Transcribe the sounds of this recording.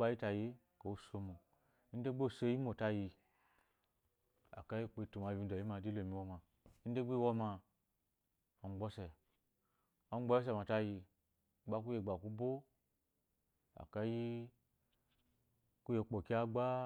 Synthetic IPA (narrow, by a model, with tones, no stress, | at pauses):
a˧ji˦ta˧˨je˦ | ko˨wu˦so˧mo˨ | i˦n̩˦de˦ɡ͡be˦˨so˧˦i˦mo˨ta˧ji˧ | a̰˨ka˦ji˦˨k͡po˧i˦tu˨ma˨bʲi˧n˦do˨ji˦ma˧˨di˦lo˨mĩ˨˧wɔ˦ma˨ | i˦de˦ɡ͡be˦wo˦ma˧ | a˨ŋ͡mɡ͡bɔ˦sɛ˨ | a˦ŋ͡mɡ͡bɔ˦ji˦s̬ɛ˧˨ma˨ta˧ji˧˨ | ɡ͡ba˦k̬u˦je˧˨ɡ͡ba˨ku˦bo˦ | a̰˨ka˦ji˦ | ku˦je˧k͡po˨ki˦a˦ɡ͡ba˦